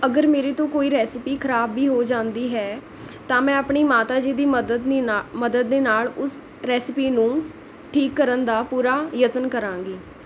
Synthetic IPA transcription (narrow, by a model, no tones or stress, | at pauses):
əɡəɾmeːɾeːt̪õːkoːiːɾɛːsɪpiːkʰəɾaːbːiːɦoːd͡ʒãːnd̪iːɦɛː | t̪ãːmɛ̃ːəpɳiːmaːt̪aːd͡ʒiːd̪iːd̪əd̪məd̪əd̪ːeːnaːlʊs | ɾɛːsɪpiːnũː | ʈʰiːkːəɾənd̪aːpuːɾaːjət̪ənkəɾãːŋɡiː